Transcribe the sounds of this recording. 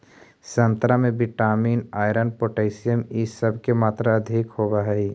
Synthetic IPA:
sɐ̃nt̪ɾamẽbɪʈaːmiːnaːjɾənpoːʈeːɪsijəmisɐb̚ʱkemaːt̪ɾaɐd̪ʱikhoːbaɦɛiː

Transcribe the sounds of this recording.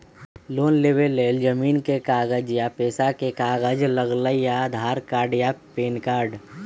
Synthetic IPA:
loːnleːbelːeːld͡ʒəmiːnkekaːɡəd͡ʒjapeːsakekaːɡəd͡ʒləɡləjad̪ʱaːɾkaːɾɖjapeːnkaːɾɖ

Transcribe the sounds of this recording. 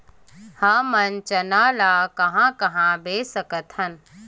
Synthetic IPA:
haːmɐnt͡ʃɐnaːlaːkɐɦãːkɐɦãbeːsəkət̪ʰhɐn

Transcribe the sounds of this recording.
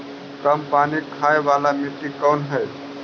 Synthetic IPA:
k̪əmpanikʰaebalameʈːikənɦəj

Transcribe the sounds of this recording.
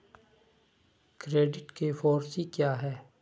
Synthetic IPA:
kɾeːɖɪʈkefoːɾsikjaːɦɛː

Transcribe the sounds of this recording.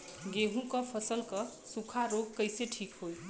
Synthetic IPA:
ɡeɦũkʌpʰəsəlkʌsukʰaɾoɡ̚kəjseʈʰikɦoj

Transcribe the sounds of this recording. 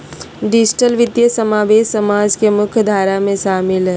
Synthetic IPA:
ɖɪd͡ʒʈəlʋɪd̪jəsəmaːʋeːʃsɐmaːd͡ʒkemʊkʰjd̪ʱaːɾamẽʃaːmɪlɦɛ

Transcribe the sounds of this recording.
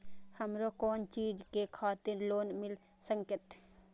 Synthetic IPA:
həmɾokoːnt͡ʃiːd͡ʒkekʰaːt̪ɪɾloːnmɪl | sə̃ŋkɪt̪

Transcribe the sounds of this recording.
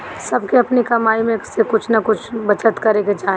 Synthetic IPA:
sɐbʱkeɐpnikɐmaːimẽsekʊt͡ʃʰnɐkʊt͡ʃʰbɐt͡ʃət̪kɐɾeked͡ʒaː

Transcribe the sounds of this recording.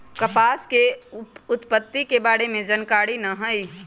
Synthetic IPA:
kɐpaːskeʊt̪pət̪ːikebaːɽemẽd͡ʒənkaːɽinɐɦəi

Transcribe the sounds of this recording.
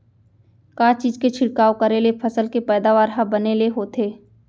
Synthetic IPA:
kaːt͡ʃiːzket͡ʃʰɪɽkaːokəɾelepʰɐsəlkepɛːd̪aʋaːɾɦəbɐneleɦoːt̪eː

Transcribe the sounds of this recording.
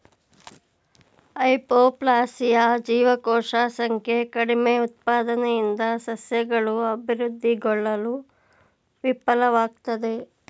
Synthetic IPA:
ɐjpoːplaːsijad͡ʒiːʋɐkɔːʂaːsɐŋkʰjekɐɽimeut̪̚paːd̪ɐnejind̪ɐsɐsjɐɡɐɭuɐbʱiɾud̪ʱːiɡɔɭːɐlu | ʋipːɐlɐʋaːɡ̚t̪ɐd̪e̞

